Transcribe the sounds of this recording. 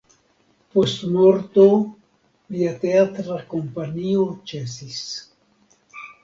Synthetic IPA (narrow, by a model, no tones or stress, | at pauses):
pwest̪moɾt̪o | biat̪eat̪ɾakompaniot͡ʃesis